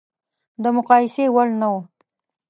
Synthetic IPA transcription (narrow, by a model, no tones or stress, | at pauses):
d̪əmʊqɑjɪsewalnawu